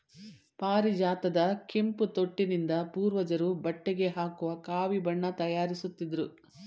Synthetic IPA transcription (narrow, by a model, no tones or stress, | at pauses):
paːɾid͡ʒaːt̪ɐd̪ɐke̞mput̪o̞ʈːinind̪ɐpuːɾʋɐd͡ʒɐɾubɐʈːeɡe̞ɦaːkuʋɐkaːʋibɐɳːɐt̪ɐjaːɾisut̪ːid̪ɐɾu